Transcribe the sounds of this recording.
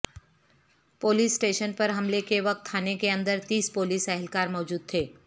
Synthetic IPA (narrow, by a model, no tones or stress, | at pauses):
poːliːsːʈeːʃənpɐɾɦɐmlekeʋɐk̚t̪ʰːaːnekeɐ̃nd̪əɾt̪iːspoːliːsɛɦɛlkaːɾmɔːd͡ʒuːd̪̚t̪ʰeː